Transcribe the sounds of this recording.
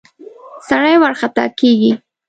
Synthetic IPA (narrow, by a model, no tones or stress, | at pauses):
saɾajwaɾχat̪ɑ̰keɡi